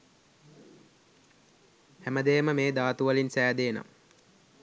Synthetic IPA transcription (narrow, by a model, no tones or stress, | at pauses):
hæməd̪ejəməmeːd̪aːt̪uʋəlinsæːd̪eːna̰m